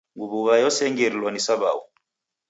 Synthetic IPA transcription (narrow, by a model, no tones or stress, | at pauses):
ŋɡuβuβajɔsɛŋɡɛɾilwɔnisaβau